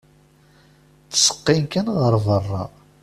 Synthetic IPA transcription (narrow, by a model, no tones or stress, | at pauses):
θə̥sə̥qːinkænʁəɾðərˤːɑ̰